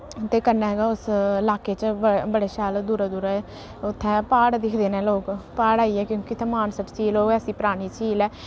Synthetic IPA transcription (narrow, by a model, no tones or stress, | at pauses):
t̪eːkəɾnaːɦɛːɡaːʊsɪlaːkeːt͡ʃbbəɽeːʃaːld̪uːɾaːd̪uːɾaɛ | ʊt̪ʰːɛ̃ːpaːɽd̪ɪkʰd̪eːnɛ̃ːloːkpaːɽaːiːɛːkjõːkɪt̪ʰẽmaːnsəʈt͡ʃiːloːɡɛsiːpəɾaːñiːt͡ʃiːlɛː